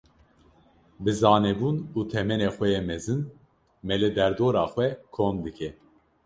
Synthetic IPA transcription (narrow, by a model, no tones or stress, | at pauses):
bɨzɑːnɛbuːnuːt̪ʰɛmɛnexʷɛjɛmɛzɨn | mɛlɨd̪ɛɾd̪oːɾɑːxʷɛkʰond̪ɨkʰɛ